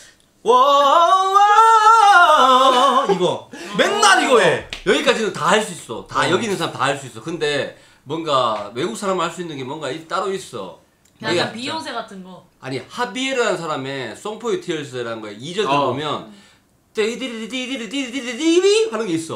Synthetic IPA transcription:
wʌ | a | iɡʌmennaniɡoejʌɡik͈ad͡ʑinɯntahaɭs͈uis͈o̰tajʌɡinɯnsʰaɾamtaɦaɭs͈uis͈ʌkɯnde̞ | mwʌnɡawe̞ɡuk̚s͈ʰaɾamɯɭhaɭs͈uinːɯnɡe̞mwʌŋɡait͈aɾois͈ʌ̰ | neɡapioŋsʰeɡatʰɯnɡʌ | a̰ɲihabieɾɯanɯnsʰaɾame̞s͈oŋpʰoetʰiʌɭs̬͈ɯeɾaɯnɡʌeid͡ʑʌɯɭbomjʌn | t͈eidɯɾdidiɾdiddiihanɯnɡeis͈ʌ

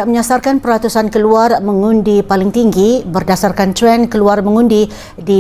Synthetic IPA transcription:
aʔməɲasarkanpəɾat̪usankəluarməŋundipalɪŋt̪iŋɡibərdasarkant̪ɾɛnkəluarmə̃ŋũndi | di

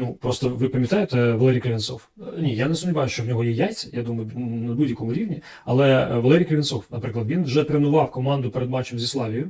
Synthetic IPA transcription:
nupɾɔst̪ɔʋɪpɐmʲjʲɐt̪ɑjet̪ɛʋɐlˠɛɾʲijkɾʲeʋʲɪnsɔwnʲijanesʊmdʲiʋɑjʊʃt͡ʃɔwnʲɔɦɔjɛjaj̪t͡sʲɐjad̪umɐjʊnɐbudʲjɐkɔmʊɾʲiwnʲi | ɐlˠɛʋɐlˠɛɾʲijkɾeʋʲɪnsɔwnɐpɾɪklɐd̪ʋʲinwʒɛpɾʲɪnʊʋɑwkɔmɑnd̪ʊpeɾed̪mɑt͡ʃɪmzʲislˠɑlʲijʊ

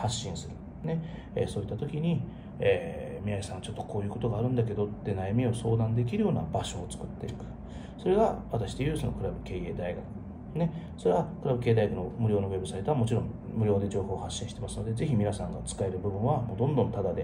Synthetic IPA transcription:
haɕːĩɰ̃sɨɾɯ̟ | ne̞ | ḛːso̞ːit̪ːat̪o̞kʲiɲ̟i | eːmʲiaisãɰ̃at͡ɕo̞t̪ːo̞̥kʰo̞ːjɯ̟ko̞t̪oɡaːɾɯ̟̃nd̪ak̬e̞d̪o̞t̪ːe̞najamʲioso̞ːd̪ãnd̪e̞k̬ʲiɾɯ̟jo̞ːna̰baɕo̞ːt͡sɨ̥kɯ̟t̪ːe̞ikɯ̟̥ | so̞ɾe̞ɡaβat̪aɕi̥d̪e̞jɯ̟ːsono̞̰kɯɾabɯ̟ke̞ːe̞ːd̪aiɡakɯ̥ | ne̞ | so̞ɾeβakɯ̟ɾabɯ̟ke̞ːd̪ajɡakɯ̟nomɯ̟ɾʲo̞ːno̞βe̞bɯ̟sait̪oamo̞t͡ɕiɾõ̞ŋmɯ̟ɾʲjo̞ːd̪e̞d͡ʑo̞ːho̞ːhaɕːĩɕi̥t̪e̞masɨno̞d̪e̞ze̞çimʲinasãŋɡat͡sɨ̥kae̞ɾɯ̟bɯ̟bɯ̟̃ɰ̃βamo̞ːd̪õnd̪õ̞nt̪ad̪ad̪e̞

